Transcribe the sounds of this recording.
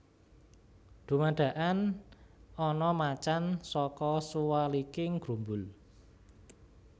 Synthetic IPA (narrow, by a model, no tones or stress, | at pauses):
d̪̥ṳmaɖ̪̥ä̤ʔan | ɔnɔmat͡ʃansɔkɔsuwalikɪŋɡ̥ɾṳmbʊl